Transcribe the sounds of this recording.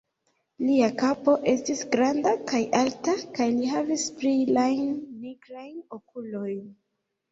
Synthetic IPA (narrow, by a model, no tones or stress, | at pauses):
liakapo̞ʔe̞stisɡɾandakajʔaltakajliɦavispɾilajnːiɡɾajno̞kulo̞jn